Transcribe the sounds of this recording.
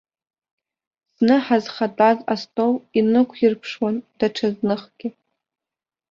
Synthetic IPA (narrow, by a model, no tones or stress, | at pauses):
snɨħazχatʼazastʼowinɨkʷʰjɪrpʰʂwand̥aʈ͡ʂʰaznɨχɡʲɪ